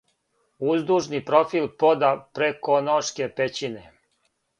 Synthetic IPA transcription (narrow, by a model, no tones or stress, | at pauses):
uzd̪uʒnipɾofilpod̪apɾekonoʃkepet͡ɕine